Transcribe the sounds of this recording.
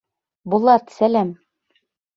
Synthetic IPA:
bŭlˠɑt̪sælæm

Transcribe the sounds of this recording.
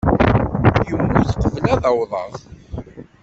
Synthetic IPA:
jəmːuθqːəvlæðɑwðˤɑ̰θ

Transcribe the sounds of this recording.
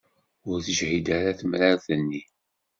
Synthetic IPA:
ʊɾθəʒhid̪aɾaθəmɾaɾθənːi

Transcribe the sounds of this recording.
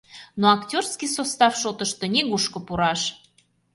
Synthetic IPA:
noaktʲorskijsost̪ɑfʃot̪əʃt̪onʲeɣuʃkŏpuɾɑʃ

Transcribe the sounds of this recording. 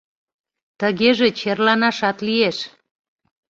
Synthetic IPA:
t̪əɣeʒet͡ɕerlɑnɑʃɑt̪lieʃ

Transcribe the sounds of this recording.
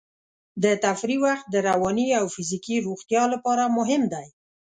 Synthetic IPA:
d̪ət̪afɾiwaxt̪̚d̪əɾawɑniawfɪzikiɾoɣt̪jɑlapɑɾamʊɦɪmd̪aj

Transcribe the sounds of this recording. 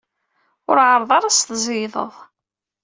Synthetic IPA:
ʊɾʕəɾˤðˤɑɾˤɑst̪zˤiðˤə̰ðˤ

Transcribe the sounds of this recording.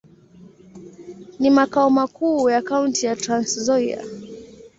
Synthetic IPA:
nimakaɔmakuːjakauntijatɾanszɔia̰

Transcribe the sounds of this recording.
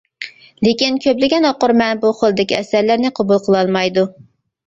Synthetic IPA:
lekʲinkʲʰøplɪɡʲɛnɑqʊɾmɛnbuχolˠɨd̪ɪkʲiɛsæɾlæɾnɪqʰobulˠqʰəlˠɑlˠmɑjd̪u

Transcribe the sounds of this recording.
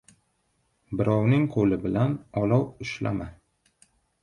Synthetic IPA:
bɪɾɒwnɪŋqʰolɪbɪlanɒlˠɒwʊʃla̰ma

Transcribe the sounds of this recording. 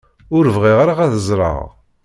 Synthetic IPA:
ʊɾəvʁiʁaɾaʁæθəzˤɾˤɑ̰ʁ

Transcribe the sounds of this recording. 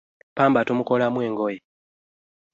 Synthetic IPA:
paːmbatomukolamwe̞ːŋɡoje

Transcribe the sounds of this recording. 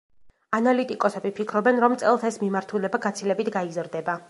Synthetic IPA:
analit̪ʼikʼɔsɛbipʰikʰɾɔbɛnɾɔmt̪sʼɛlˠsɛsmimaɾt̪ʰulɛbaɡat̪sʰilɛbit̪ʰɡaizɾd̪ɛba

